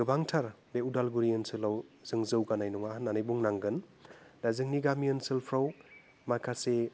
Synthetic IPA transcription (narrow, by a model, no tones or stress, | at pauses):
ɡɯbaŋtʰaɾ | beudalɡuɾiɯnsɯlawzɯŋzɯwɡanajnuŋahanːanɯjbuŋnaŋɡɯndazɯŋniɡamiɯnsɯlpʰɾaw | majkʰase